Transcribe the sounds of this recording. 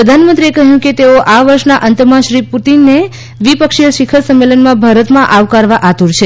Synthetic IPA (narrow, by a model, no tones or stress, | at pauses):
pɾəd̪ʱanmənt̪ɾiekəɦjũket̪eoʔaʋəɾʃnaʔənt̪əmãʃɾiput̪inːe | ʋipəkʃijəʃikʰəɾsəmːelənmãbʱaɾət̪mãʔaʋkaɾʋaʔat̪uɾt͡ʃʰe